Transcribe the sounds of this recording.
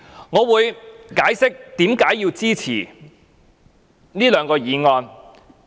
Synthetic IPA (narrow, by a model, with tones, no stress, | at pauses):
ŋɔː˨˧wuː˨˧jkaː˨˥jsɪ˥k̚t̪iː˨˥mkaː˨˥jːiː˧wt͡siː˥t͡sʰiː˨˩ | niː˥lœː˨˧ŋkɔː˧jiː˨˧ŋɔː˧n